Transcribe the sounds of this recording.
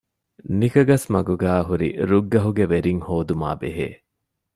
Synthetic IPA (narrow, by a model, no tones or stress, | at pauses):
nikɐɡɐsmɐɡuɡæːɦuɾḭɾuɡːɐɦuɡeʋeɾiŋhoːd̪uma̰ːbḛɦḛː